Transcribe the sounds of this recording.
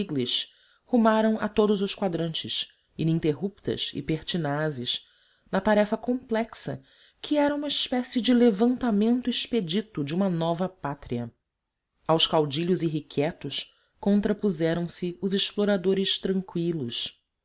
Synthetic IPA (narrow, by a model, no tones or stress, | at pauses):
iɡliʃ | humaɾɐ̃w̃ɐt̪od̪ʊzʊʃkwad̪ɾɐ̃nt͡ʃɪʃ | inĩnt̪eɦup̚t̪ɐ̰ʃɪ̰peɾt͡ʃinazɪʃ | nɐt̪aɾɛfɐkõmplɛksɐ̰ | kʰɪɛɾɐũmɐɪʃpɛsɪd͡ʒɪlevɐ̃nt̪amẽnt̪ʊiʃped͡ʒit̪ʊd͡ʒɪũmɐnɔvɐpat̪ɾiɐ | awskawd͡ʒiʎʊziɦikʰɛt̪ʊʃ | kõnt̪ɾɐpuzɛɾɐ̃w̃sɪʊzɪʃploɾad̪oɾɪʃt̪ɾɐ̃ŋkwilʊs